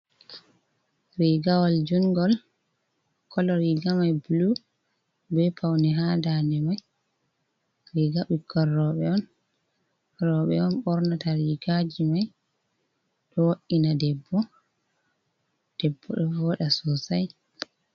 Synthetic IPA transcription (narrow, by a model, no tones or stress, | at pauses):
ɾiɡawald͡ʒuŋɡɔl | kʰɔlɔɾiɡamajbulu | bɛpʰawnɛɦadanɛmaj | ɾiɡaɓikʰːɔrːɔɓɛɔn | ɾɔɓɛ̰ɔnɓɔɾnataɾiɡad͡ʒimaj | ɗɔwoʔːinadɛbːɔ | d̥ɛbːɔ̰ɗɔvɔɗasɔsaj